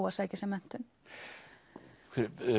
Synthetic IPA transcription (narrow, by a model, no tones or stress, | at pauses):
wasaːjcɪsɛmːɛn̥t̪ʏm | kʰvɛɾ